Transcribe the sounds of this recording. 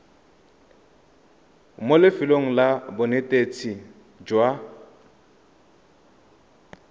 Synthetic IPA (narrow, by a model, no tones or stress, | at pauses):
molɪfɪloŋ̩labʊnetʼet͡sʰi | d͡ʒwa